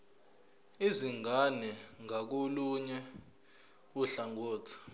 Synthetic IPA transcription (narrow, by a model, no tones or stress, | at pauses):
iziŋanɛŋak̬oluɲɛ | uɬaŋɔːtʰḁ